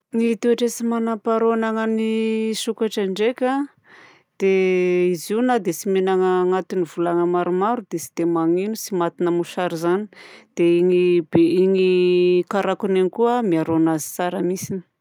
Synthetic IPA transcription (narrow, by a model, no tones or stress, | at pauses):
nit̪eaʈ͡ʂesimanapaɾonaŋənisukaʈ͡ʂaɳɖ͡ʐekʲa | d̪̥eiziunad̪esimenaŋəŋat̪inivulaŋəmaɾumaɾud̪̥esi̥d̪̥emaŋinusimat̪inəmuʃaɾizani̥d̪̥eiŋibeiŋikaɾakunenikuəmiaɾonazi̥t͡saɾəmisini̥